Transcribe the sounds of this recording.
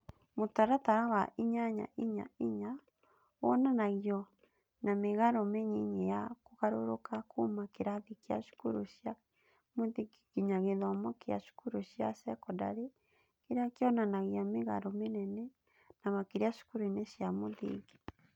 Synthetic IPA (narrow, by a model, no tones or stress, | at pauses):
motaɾataɾawaʔiɲaɲa̰ʔiɲa̰iɲa | wɔnanaɣjɔ | nameɣaɾomeɲiɲejakoɣaɾoɾokakʰomakeɾaðikea̰ʃu̥kuɾoɕja | moðiɡikiɲaɣeðɔmɔkea̰ʃu̥kuɾoɕjasɛkɔda̰ɾe | keɾakeɔnanaɣjameɣa̰ɾomenɛnɛ | namakeɾeaʃu̥kuɾoineɕjamoðḭɡi̥